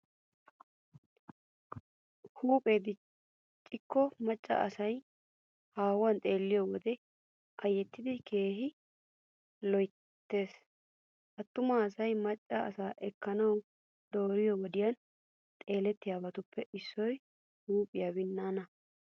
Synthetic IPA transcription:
huːpʼe̞ːd̪ɪ | t͡ʃʼːɪkʰːɔmɐt͡ʃʼːɐ̰ɐsɐj | haːwɐnt̪ʼe̞ːlːɪjɔwɔd̪ɛ | ʔɐjːɛt̪ːɪd̪ɪkʰe̞ːɦɪ | lɔj | t̪ːe̞ːs | ʔɐt̪ːʊmaːsɐjmɐt͡ʃʼːɐɐ̰saːʔɛkːɐnɐw | d̪o̞ːɾɪjɔwɔd̪ɪjɐn | t̪ʼe̞ːlɛt̪ːɪjaːbɐt̪ʊpʰːɛɪsːɔj | huːpʼɪjaːbɪnːaːnɐ

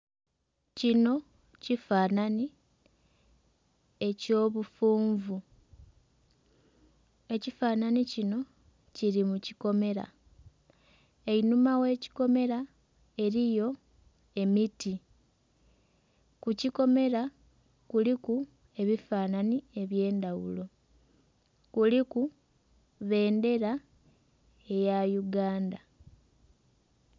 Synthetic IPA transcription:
cino̞ | cifaːnani | e̞co̞ːβufuːɱvu | e̞cifaːnanicino̞ | ciɾimuciko̞me̞ɾa̰ | e̞inumawe̞ːci̥ko̞me̞ɾa | e̞ɾijo̞ | e̞miti | kuciko̞me̞ɾa | kuliku | e̞βifaːnanie̞βje̞ːndawṵlo̞ | kuliku | βe̞ːnde̞ɾa | e̞jajuɡaːnda

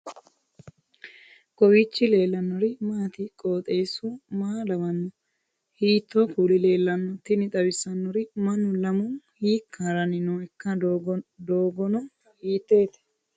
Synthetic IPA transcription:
kʼɔwit͡ʃːɪle̞ːlːɐnːɔɾɪmaːt̪ɪkʼoːt̪ʼe̞ːsumaːlɐmɐnːɔ | hiːt̪ːokuːlɪle̞ːlːɐnːɔt̪ɪnɪt̪ʼɐwɪsɐnːɔɾɪmɐnːʊlɐmʊnhiːkʰːaɾɐnɪnoɛkːɐd̪oːɡɔnɔ | hiːt̪ːe̞ːt̪ɛ̥

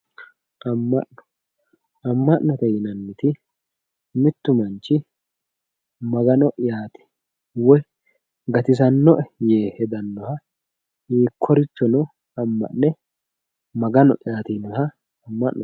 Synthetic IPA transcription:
ʔɐmːɐ̰ʔnɔ̥ | ɐmːɐʔnɐt̪ɛjɪnɐnːɪt̪ɪ | mɪt̪ːʊmɐnt͡ʃːɪ | mɐɡɐnɔʔɪjaːt̪ɛ̥ | wɔj | ɡɐt̪ɪs̬ɐnːɔʔɛjeːhɛd̪ɐnːɔhɐ | hiːkʰːɔɾɪt͡ʃːɔnɔ | ɐmːɐ̰ʔnɛ | mɐɡɐnɔ̰ʔɪjaːt̪inɔhɐː | mːɐʔnɔ

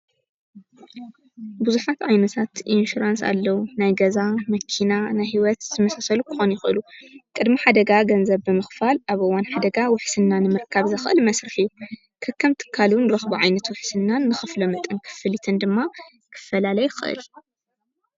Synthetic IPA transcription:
buzuħat̪ʕajnɐt̪ʰat̪ʔinʃuɾansa̰lːɐwunajɡɐzamɐkʰinanajhiwɔt̪zɨmɐsasɐlukʰɨ̥xo̞njɪxʔɨlukʼɨd̪miħad̪ɐɡaɡɐnzɐβːɨmɨxfalʔaβʔɨwanħad̪ɐɡawʊħsɨnːanɨmɨɾkʰaβzɨxʔɨlmɐsɾɨħijːu | kʰɐkʰːɐmt̪ʰɨ̥kʰːalunɨɾɐxbuʕajnɐt̪wʊħsɨnːanːɨxɨflomɐt̪ʼɨnkʰɨ̥fɨlit̪ʰɨnd̪ɨmːa | kʰɨ̥fːɐlalɐjɪxɨʔɨ̰l

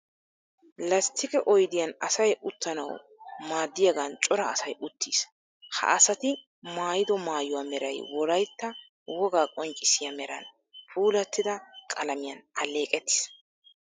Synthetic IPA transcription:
lɐst̪ʰɪkʼɛʔɔjd̪ɪjɐnɐsɐjʊt̪ːɐnɐ̰w | maːd̪ːɪjɐɡɐnt͡ʃʼɔɾɐːsɐjʔʊt̪ʰːiːs | hɐ̰ʔɐsɐt̪ɪ | maːjɪd̪ɔmaːjʊwaːmɛɾɐjwɔɾɐjt̪ːɐ | wɔɡaːkʼɔŋkʼːɪsɪjɐmɛɾɐ̰n | pʰuːlɐt̪ːɪd̪ɐkʼɐlɐmɪjɐnɐleːkʼɛt̪ːɪ̥s

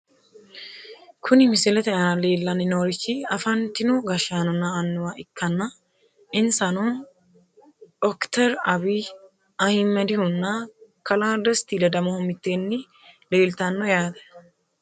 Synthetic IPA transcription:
kʰʊnɪmɪsɪlɛt̪ɛʔɐleːlːɐnɪnoːɾɪt͡ʃːɪɐfɐnt̪ɪnʊɡɐʃaːnɔnːɐːnːʊwaːɪkʰːɐnːɐ | ɪnsɐnɔ | ɔkt̪ɛɾɐbi | ɐhɪmːɛd̪ɪhʊnːɐkɐlaːd̪ɐst̪iːlɐd̪ɐmɔhɔmɪt̪ːeːnːɪ | leːlt̪ɐnːɔjaːd̪ɛ̥

